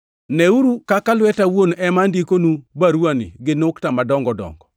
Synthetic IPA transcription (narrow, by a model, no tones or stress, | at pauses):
nɛuɾukakalwɛtawonɛmandikonubaɾwanḭɡɪnoktamadɔŋɡɔdɔ̰ŋɡɔ